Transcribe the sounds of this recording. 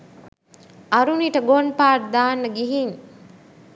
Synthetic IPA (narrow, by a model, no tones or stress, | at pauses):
ɐɾuniʈəɡonpaːʈ̚d̪aːnːəɡiɦiŋ